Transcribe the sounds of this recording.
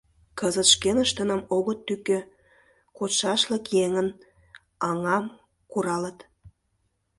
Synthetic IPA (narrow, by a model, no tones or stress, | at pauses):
kəzət̪ʃkenəʃt̪ənəmoɣət̪ːykø | kot̪ʃɑʃlə̆kjeŋən | ɑŋɑm | kuɾɑlət̪